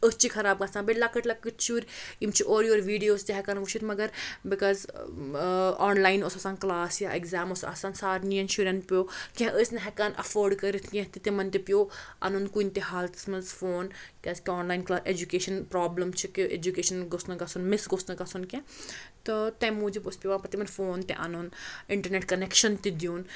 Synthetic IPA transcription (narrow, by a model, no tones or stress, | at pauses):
əst͡ʃʰikʰɐɾaːb̚ɡɐsãnbelakəʈlɐkːɨt͡ʃʰuːɾimt͡ʃʰiʔoːɾjoːɾʋiːɖijoːzt̪eɦɛkaːnʋut͡ʃʰit̪ʰmɐɡɐɾbikɔːz | ɔːnlaːjnosɐsãːnklaːsjaːʔeɡzaːmosɐ̰sãːnsaːʈnijɐnʃuɾʲɐnpjoːkʲẽɦɛ̃ʔəsnɐɦɛkanʔɐ̰foːɾɖkɐɾit̪ʰkʲẽt̪it̪imɐnt̪epijoːʔɐ̰nunkunʲt̪eɦaːlt̪smɐnzfoːnkʲɐskiɔːnlaːinklaːsed͡ʒukeːʃɐnpɾaːblɐmt͡ʃʰikiḛd͡ʒukeːʃɐnɡosnɐkɐsunmɪsɡosnɐkɐsunkʲẽt̪ɨt̪ɐ̃muːd͡ʒipospʲiʋãːpɐt̪imɐnfoːnt̪ɛ̰̃ʔɐnunɪɳʈɐɾneʈkɐnekʃɐnt̪id̪juːn